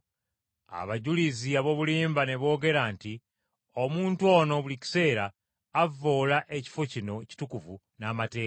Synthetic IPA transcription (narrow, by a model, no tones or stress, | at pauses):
a̰βaɟuliziaβo̞βuliːmbane̞βo̞ːɡe̞ɾanti | o̞muːntuo̞no̞βulici̥se̞ːɾaː | vːo̞ːlaʔe̞ci̥fo̞cino̞ci̥tukuvu | naːmate̞ːka